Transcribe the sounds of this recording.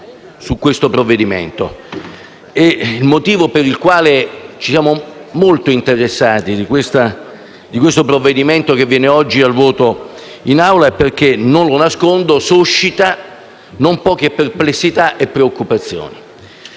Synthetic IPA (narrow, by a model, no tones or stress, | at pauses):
sukːwest̪opɾovːed̪imḛnt̪o | eilmot̪iːvopeɾilkwaːlet͡ʃisjaːmomolt̪oint̪eɾesːaːt̪id̪ikwest̪a | d̪ikwest̪opɾovːed̪iment̪ok̟evːjɛːneɔd͡ʒːialvɔːt̪o | inawlaɛpːerk̟enonlonaskond̪osuʃːit̪a | nompɔːk̟eperplesːit̪aʔepːɾeokːupat̪sːjo̰ːni